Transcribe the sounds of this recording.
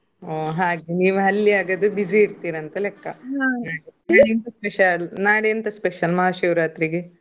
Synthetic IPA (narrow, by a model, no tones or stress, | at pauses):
oːɦaːɡeniːʋuɦɐlːiaːɡɐd̪ubid͡ʒiiɾt̪iːɾɐːnt̪ɐlekːɐanaːɽenaːɽent̪ɐspeʃɐlnaːɽeɐnt̪ɐspeʃɐlmɐɦaʃiːʋɾaːt̪ɾiɡe